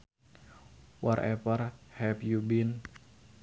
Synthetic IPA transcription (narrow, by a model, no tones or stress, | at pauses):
wɔɾɛvərhɛpjubin